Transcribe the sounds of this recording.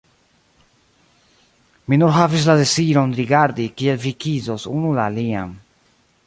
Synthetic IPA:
minunɦavis̬ladesiɾonɾiɡaɾdikielvikizosunulaːlia̰m

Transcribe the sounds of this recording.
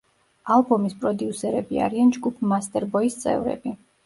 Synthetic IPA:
alˠbɔmispʼɾɔd̪iusɛɾɛbia̰ɾiand͡ʒɡupʰmast̪ʼɛɾbɔist̪sʼɛ̰vɾɛ̰bi

